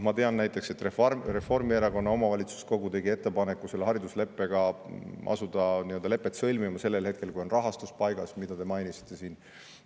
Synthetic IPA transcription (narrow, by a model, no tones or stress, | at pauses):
mɑt̪e̞ɑnnæjt̪ːˑe̞kse̞t̪refre̞fo̞rmieɾɑko̞nːɑo̞mɑvɑlʲit̪su̥sko̞ɡut̪e̞ɡie̞t̪ːˑe̞pɑne̞kːˑuse̞lːehɑɾid̪usle̞pːe̞ɡ̥ɑʔɑ̰sud̪̥ɑniøld̪ɑle̞pːˑet̪sɤlʲmimɑse̞lːe̞lhe̞t̪̚ke̞lkujo̞nrɑɦɑst̪uspɑjɡ̥ɑsmid̪̥ɑd̪e̞mɑjnisi̥t̪ˑːe̞siːn